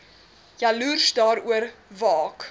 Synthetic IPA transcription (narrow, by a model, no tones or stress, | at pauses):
jɐluːrsdɑːɾuəɾvɑːk